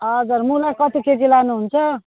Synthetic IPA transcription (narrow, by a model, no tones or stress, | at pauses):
ʌd͡zuɾmulakʌt̪iked͡zilanuɦunt͡sʰʌ